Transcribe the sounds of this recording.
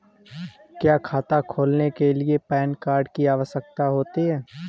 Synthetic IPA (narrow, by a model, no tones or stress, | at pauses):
kjaːkʰaːt̪akʰoːlnekeliepɛːnkaːɾɖkiaːʋəsək̚t̪aɦoːt̪iɦɛː